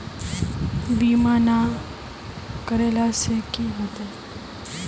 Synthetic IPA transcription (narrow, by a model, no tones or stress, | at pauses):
biːmaːna | kəɾeːlasekiɦot̪e